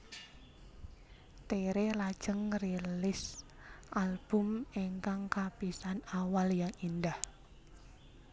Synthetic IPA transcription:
t̪eɾelad̥ʒ̥əŋrilɪs | ʔalb̥ʊmeŋkaŋkapisanawaljaŋindah

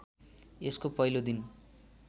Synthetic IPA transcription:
eskopʌɦilod̪in

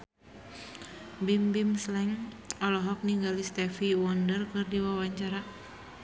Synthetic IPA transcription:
bimbimslɛŋ | ɔlɔɦɔk̚niŋɡalist̪ɛfiwɔndərkɨrdiwawaɲt͡ʃaɾa

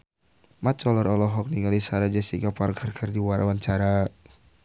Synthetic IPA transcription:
mat̪̚t͡ʃɔləɾɔlɔɦɔk̚niŋalisaɾad͡ʒɛsikaparkʰərkʰərdiwaɾawanɲt͡ʃaɾa

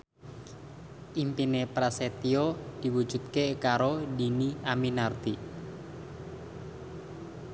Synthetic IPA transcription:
ʔimpinepɾaset̪iod̪̥i̤wu̥d͡ʒ̥ṳt̪̚kekaɾodiniaminart̪i

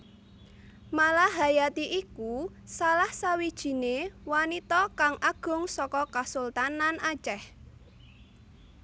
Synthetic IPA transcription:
malaɦajat̪iʔiku | salahsawid̥ʒ̥i̤newanit̪ɔkaŋʔaɡ̥ʊ̤ŋsɔkɔkasult̪anːanat͡ʃɛh

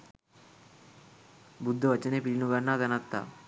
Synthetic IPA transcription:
bud̪ʱːəʋət͡ɕənepilinuɡanːad̪ənat̪ːa̰

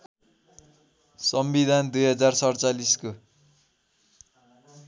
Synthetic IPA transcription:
sʌmbid̪ʱand̪ujɦʌd͡zarsʌrt͡salisko

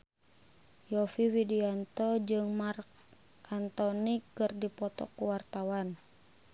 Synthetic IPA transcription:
jɔfiwidiant̪ɔd͡ʒɨŋmark̚ | ant̪ɔnikːɨrdipɔt̪ɔ̰kuwart̪awan

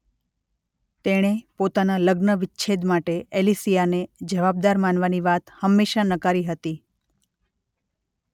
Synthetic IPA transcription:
t̪eɽ̃epot̪analəɡnəʋɪtːt͡ʃʰed̪maʈeʔelisijaned͡ʒəʋab̚d̪aɾmanʋaniʋat̪həmːeʃanəkaɾiɦət̪i

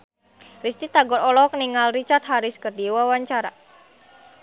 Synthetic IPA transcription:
rist̪it̪aɡɔɾɔlɔɦɔk̚niŋalrit͡ʃart̪̚ɦaɾɪskərdiwawaɲt͡ʃaɾa̰

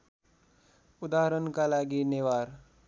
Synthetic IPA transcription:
ud̪aɦəɾənkalaɡiːneʋaɾ

